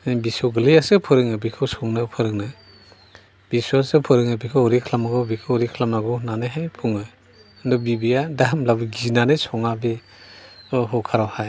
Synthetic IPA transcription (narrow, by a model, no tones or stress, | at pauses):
nibisɔwɡɯlijasɯpʰɯɾɯŋnɯbikʰɯwsɔŋnɯpʰɯɾɯŋnɯ | b̥isusɯpʰɯɾɯŋnɯbikʰawɾikʰlamaɡɔbikʰɯwɾikʰlamaɡɔnanɯɦajpʰuŋɯ | ndɔbibijadamlabɯɡinanɯsɔŋabi | ɯɦɔkʰaɾawhaj